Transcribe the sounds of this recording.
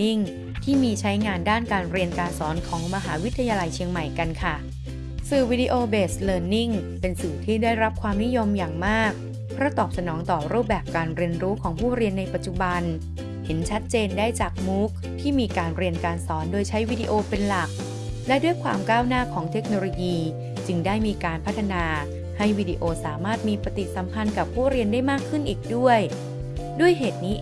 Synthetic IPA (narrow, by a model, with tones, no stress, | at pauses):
i˥˩ŋ | t̪ʰiː˥˩miː˧t͡ɕʰa˦˥jŋaː˧ndaː˥˩nkaː˧nɾi˧ənkaː˧nsɔː˩˦nkʰɔː˩˦ŋma˧ɦaː˩˦wi˦˥t̪ʰːa˧jaː˧la˧jt͡ɕʰi˧əŋma˨˩jka˧nkʰa˥˩ | sɯː˨˩wi˦˥diː˧ʔoː˧beː˨˩slɤː˧nːi˥˩ŋ | pe˧nsɯː˨˩t̪ʰiː˥˩daː˥˩jɾa˦˥p̚kʰwaː˧mni˦˥jo˧mjaː˨˩ŋmaː˥˩k̚ | pʰɾɔ˦˥t̪ɔː˨˩p̚sa˧nɔː˩˦ŋt̪ɔː˨˩ɾuː˥˩p̚bɛː˨˩p̚kaː˧nɾi˧ənɾuː˦˥kʰɔː˩˦ŋpʰuː˥˩ɾi˧ənːa˧jpa˨˩t̪̚t͡ɕu˨˩ba˧n | he˩˦nt͡ɕʰa˦˥t̪̚t͡ɕeː˧ndaː˥˩jt͡ɕaː˨˩k̚muː˦˥k̚t̪ʰiː˥˩miː˧kaː˧nɾi˧ənkaː˧nsɔː˩˦ndoː˧jt͡ɕʰa˦˥jwiː˦˥dḭ˧ʔoː˧pe˧nla˨˩k̚ | lɛ˦˥du˥˩əjkʰwa̰ː˧mkaː˥˩wnaː˥˩kʰɔː˩˦ŋt̪ʰe˦˥k̚noː˧loː˧jiː˧ | t͡ɕɯ˧ŋdaː˥˩jmiː˧kaː˧npʰa˦˥t̪ʰːa˧naː˧ | ha˥˩jwiː˦˥˩dḭː˧ʔoː˧saː˩˦maː˥˩t̪̚miː˧pa˧t̪i˨˩sa˩˦mpʰa˧nka˨˩pʰːuː˥˩ɾi˧əndaː˥˩jmaː˥˩kʰːɯ˥˩nʔiː˨˩k̚du˥˩əj | du˥˩əjɦeː˨˩t̪̚niː˦˥